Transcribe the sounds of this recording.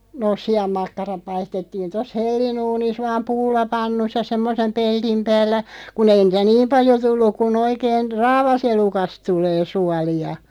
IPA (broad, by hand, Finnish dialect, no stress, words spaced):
noːs̆ siɑmːɑkːɑrɑp̆ pɑistetːiːn tos helːinuːnis ʋɑːm pulːɑpɑnːusːɑ semːosem peld̥im pæːlːæ kun ei niˑtæ niːm pɑljo tulːuk̆ kun oikeːn rɑːʋɑselukɑst tuleː suɑliɑ